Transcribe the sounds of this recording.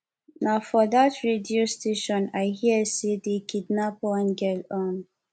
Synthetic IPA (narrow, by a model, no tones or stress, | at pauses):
naʊfɔdatɹediosteʃɔ̃naɪhiəsedekʰidnapɔ̃nɡɛlɔ̃n